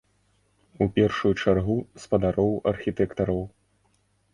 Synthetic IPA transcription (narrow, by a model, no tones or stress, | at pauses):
upʲɛrʂujut͡ʂarɣuspɐd̪aɾɔwɐrxʲit̪ɛkt̪ɐɾɐw